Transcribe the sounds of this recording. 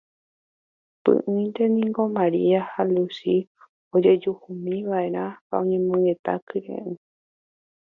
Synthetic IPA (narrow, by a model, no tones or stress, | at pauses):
pɨ̰̃ʔɨ̃nt̪e̞nĩŋɡomãɾiahalusi | od͡ʒe̞d͡ʒuhumĩʋaeɾ̃ãhaõɲẽmõŋɡe̞t̪a̰kɨɾḛ̃ʔɨ̃